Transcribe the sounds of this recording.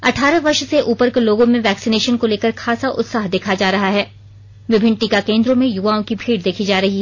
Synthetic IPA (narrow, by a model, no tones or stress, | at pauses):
ɐʈʰaːɾaʋɐɾʃseʔuːpəɾkeloːɡõmẽʋɛːksineːʃənkoleːkəɾxʰaːsaʔʊ̰t̪saːɦd̪eːkʰad͡ʒaːɾɐɦaɦɛː | ʋɪbʱɪ̃ɳʈikakẽːnd̪ɾõmẽjʊʋaːõkibʱiːɽd̪eːkʰid͡ʒaːɾɐɦiɦɛː